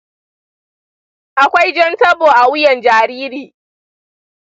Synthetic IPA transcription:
ʔa˨kʷa˦jd͡ʒɐ˦ntɐ˦boː˨ʔa˨wʊ˦jɐ˨nd͡ʒaː˨ɾiː˦ɾiː˨

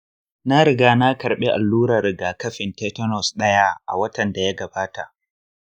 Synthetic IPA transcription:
na˦ɾɪ˨ɡaː˦na˦kɐ˨ɾɓe˦ʔa˨lːuː˦ɾa˨ɾɪ˨ɡaː˨kɐ˦ɸɪ˨nteː˦tɔ˦nɔ˨sɗɐ˦ja˦ʔa̰˨wɐ˦tɐ˨nda˨ja˦ɡɐ˨baː˦ta̰˨ʔ

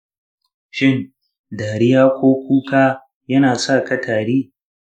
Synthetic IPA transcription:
ʃɪ˦n | daː˨ɽɪ˦jaː˦kʷoː˦kʷuː˦kaː˦ | jɐ˦naː˨sa˦˨kɐ˦tʰaː˨ɽiː˦

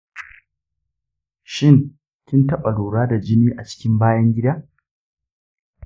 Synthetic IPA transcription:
ʃɪ˦ŋ | kʲɪ˦ntɐ˦ɓa˨loː˨ɽaː˦da˨d͡ʒɪ˦niː˦ʔa˨t͡ʃɪ̥˦kʲɪ˦mbaː˦jɐ˦ŋɡʲɪ˦da˦

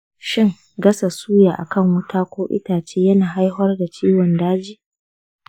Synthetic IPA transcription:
ʃɪ˦ŋ | ɡɐ˦sa˨suː˦jaː˨ʔa˨kɐ˦˨ŋwɐ˦tʰaː˦kʷoː˦ʔɪ̰˦taː˨t͡ʃeː˦jɐ˦naː˨ɦa˦jɦɔ˦rda˨t͡ʃiː˦wɔ˨ndaː˦d͡ʒiː˦

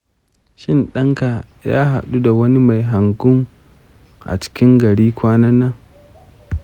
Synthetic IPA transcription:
ʃɪ˦nɗɐ˦ŋka˨ | ja̰ː˦ɦa̰˨ɗu˦da˨wɐ˦ni˦ma˨jɦa˨ŋɡʊ˦ŋ | ʔa̰˨t͡ʃɪ̥˦kʲɪ˦ŋɡɐ˨ɽiː˦kʷaː˦nɐ˦nːa˦

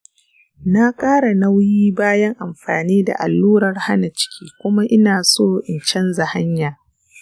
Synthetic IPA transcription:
na˦kʼaː˦ɽa˨na˦wjiː˦baː˦jɐ˦ŋʔa˨mɸa̰ː˨niː˦da̰˨ʔa̰˨lːuː˦ɾɐ˨rha˦na˨t͡ʃɪ̥˦kʲiː˦kʷʊ˦ma˦ʔɪ˦naː˨soː˦ʔɪ˨nt͡ʃɛ˦nza˨ha˦ɲjaː˨

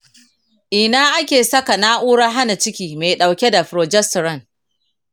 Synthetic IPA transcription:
ʔɪ˨naː˦ʔa˦kʲeː˨sɐ˦ka˨naː˦ʔuː˦ɽaː˦ɦa˦na˨t͡ʃɪ˦kʲiː˨me˨ɗa˨wkʲe˦da˨ɸɾoː˨d͡ʒɛ˦stɾɐ˦n

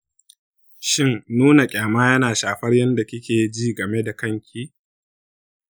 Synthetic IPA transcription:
ʃɪ˦nnuː˦na˨kʲʼaː˨maː˦jɐ˦naː˨ʃaː˨ɸɐ˦rjɐ˦nda˨kʲɪ˦kʲeː˨˦d͡ʒiː˦ɡɐ˨me˦da˨kɐ˦ŋkʲʰiː˦

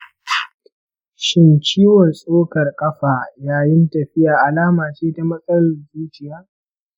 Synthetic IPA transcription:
ʃɪ˦nt͡ʃiː˦wɔ˨nsʼoː˦kɐ˨rkʼɐ˦ɸaː˨jaː˦jɪ˦ntɐ˨ɸɪ˦jaː˨ʔa˨laː˦maː˨t͡ʃeː˦ta˦mɐ˦sʼɐ˦lʊ˨rzuː˦t͡ʃɪ˨jaː˦

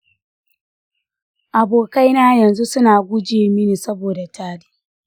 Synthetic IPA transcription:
ʔa˨boː˨ka˦jnaː˦jɐ˨nzu˦sʊ˦naː˨ɡʷʊ˦d͡ʒeː˨mi˦niː˨sɐ˦boː˨da˨taː˦diː˦

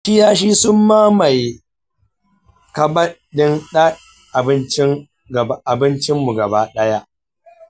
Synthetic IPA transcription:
ɪ˦jaː˦ʃ̬iː˦sʊ˦mːaː˦ma˨j | kɐ˨bɐ˦dɪ˦nɗa˦ | ʔa˨bɪ˦nt͡ʃɪ˦ŋ | ɡʔa˨bɪ˦nt͡ʃɪ˦mːu˨ɡɐ˨ba˦ɗɐ˦ja˦ʔ

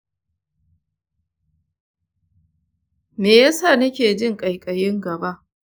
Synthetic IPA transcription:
meː˨ja˦sa˦˨nɐ˦kʲeː˨d͡ʒɪ˦ŋkʼɐ˨jkʼɐ˨jɪ˦ŋɡɐ˨ba˦ʔ

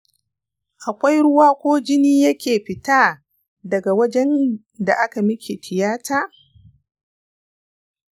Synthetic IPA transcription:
ʔa˨kʷa˦jɽʊ˦waː˦kʷoː˦d͡ʒɪ˦niː˦jɐ˦kʲeː˨ɸɪ˨taː˦ | dɐ˨ɡa˨wɐ˦d͡ʒɛ˦n | da˨ʔa˦ka˨mɪ˦kʲʰe˨tʰɪ˨jaː˦tʰaː˦

